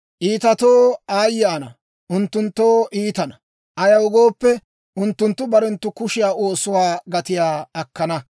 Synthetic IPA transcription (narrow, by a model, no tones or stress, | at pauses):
ʔiːt̪ɐt̪oːaːjːaːnɐ | ʔʊnt̪ːʊnt̪ːoːʔiːt̪ɐnɐ | ʔɐjɐwʊɡoːpːɛ | ʔʊnt̪ːʊnt̪ːʊbɐɾɛnt̪ːʊkʊʃɪjaːʔo̞ːsʊwaːɡɐt̪ɪjaːɐkːɐnɐ